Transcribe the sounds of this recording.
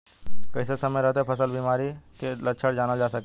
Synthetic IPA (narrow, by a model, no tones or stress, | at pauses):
kəɪsesəməjɾəɦt̪eɛpʰəsəlbiːmaːɾikeləʃʰəɽd͡ʒaːnad͡ʒaːsək